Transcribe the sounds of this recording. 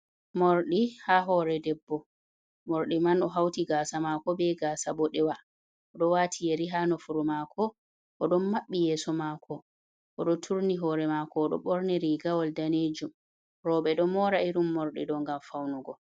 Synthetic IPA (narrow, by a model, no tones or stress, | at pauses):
moɾɗihaɦɔɾɛdɛbːɔ | moɾɗimanɔɦawtiɡaːsamakɔbɛɡaːsabɔɗɛwa | ʔɔɗɔwatʰijeɾiɦaːnɔfuɾumakʰɔ | ʔɔɗɔnmaɓːijɛːsɔmakʰɔ | ʔɔɗɔtʰuɾniɦɔɾɛmakɔːɗɔ̰ɓɔɾniɾiɡawɔldaneːd͡ʒum | ɾɔɓɛɗɔmɔːɾaiɾumːoɾɗḭɗɔŋɡamfawnuɡɔ